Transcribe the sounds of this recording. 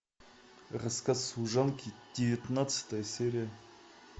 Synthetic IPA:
ʁəskɑsuʒɑŋkʲʰid̪̥ʲevʲit̪nat̪sə̥t̪əjəsʲeɾʲija

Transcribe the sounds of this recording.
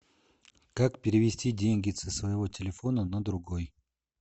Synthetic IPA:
kakpʲɪɾʲɪvʲɪsʲtʲidʲenʲɡʲɪt̪sɨsvəjɪvo̞tʲɪlʲɪfo̞nənəd̪ɾʊɡoj

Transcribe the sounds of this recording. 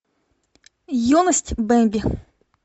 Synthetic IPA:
jɔnɐsʲtʲbɛmʲbʲi

